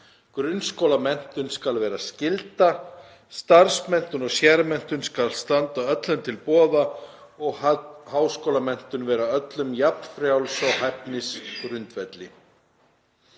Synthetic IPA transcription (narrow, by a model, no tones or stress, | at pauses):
kɾʏnskowlamɛn̥t̪ʏnskalvɛːɾascɪlt̪a | st̪aɾsmɛn̥t̪ʏnɔɣsjɛɾmɛn̥t̪ʏnskalst̪ant̪aœt̪lʏnt̪ʰɪlpɔːða | ɔɣhaːwskowlamɛn̥t̪ʏnvɛːɾaœt̪lʏmjapn̥fɾjawlsɔwɦapnɪskɾʏnt̪vɛt̪lɪ̰